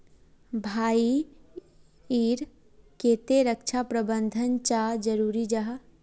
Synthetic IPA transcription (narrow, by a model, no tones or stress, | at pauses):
bʱaːi | iːɾ | keːt̪eɾəkt͡ʃʰapɾəbənd̪ʱənt͡ʃad͡ʒəɾuːɾid͡ʒəɦə